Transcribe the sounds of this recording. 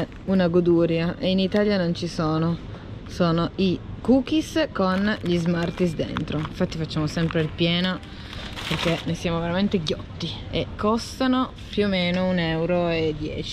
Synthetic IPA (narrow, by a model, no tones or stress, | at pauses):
unaɡod̪uːɾjaʔeinit̪aːljanont͡ʃisoːno | soːnoikuːk̟iskonʎizmart̪isd̪ḛnt̪ɾoiɱfat̪ːifat͡ʃːaːmosɛmpɾeilpjɛːno | perk̟enejsjaːmoveɾament̪eɟjɔt̪ːi | ekʰːɔst̪ano | pjuomeːnounɛwɾoed̪ːjɛ̰ːt͡ʃi̥